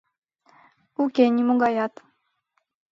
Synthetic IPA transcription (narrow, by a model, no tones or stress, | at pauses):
ukʲenʲimuɡɑjɑt̪